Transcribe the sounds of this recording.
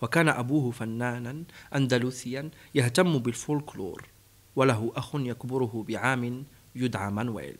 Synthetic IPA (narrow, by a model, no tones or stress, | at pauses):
wakaːnaʔabuːhʊfanːaːnanʔand̪aluːθɪjːanjaht̪amːʊbɪlfulklṵːɾˤ | walaɦʊʔaxʊnjakbʊɾʊɦʊbɪʕaːmɪn | jʊd̪ʕamanwḛːl